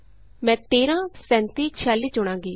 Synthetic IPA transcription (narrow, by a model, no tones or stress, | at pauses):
mɛ̃ːt̪eːɾãːsɛ̃ːnt̪iːt͡ʃʰaːlːiːt͡ʃʊɽ̃ãːŋɡiː